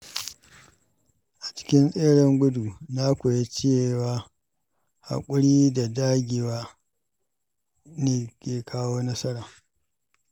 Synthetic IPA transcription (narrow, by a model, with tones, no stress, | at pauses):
ʔa˨t͡ʃɪ̥˦kʲɪ˦nsʼeː˦ɽɛ˨ŋɡʷʊ˦du˨na˦kʷo˨je˦t͡ʃe˦eː˦˨waː˦ | ha̰˨kʷʼʊ˦ɽiː˦da˨daː˦ɡʲeː˨waː˦ | neː˨kʲeː˨kʰaː˦woː˦nɐ˦sɐ˦ɽaː˨